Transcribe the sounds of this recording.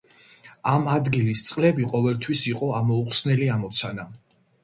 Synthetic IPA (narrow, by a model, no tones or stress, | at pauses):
amad̪ɡilist̪sʼqʼlɛbiqʼɔvɛlt̪ʰwisiqʼɔamɔuqʼsnɛliamɔt̪sʰana